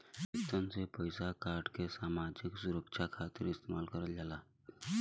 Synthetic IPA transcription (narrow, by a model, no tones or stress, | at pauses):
ikt̪ənsepəjsakaɾɖkesamad͡ʒiksuɾəkt͡ʃʰakʰat̪iɾist̪emalkəɾəld͡ʒala